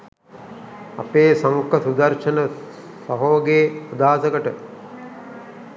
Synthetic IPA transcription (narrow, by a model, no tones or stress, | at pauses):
a̰peːsaŋkɐsud̪ɐɾʃənə | sɐɦoːɡeːod̪aːsəkəʈə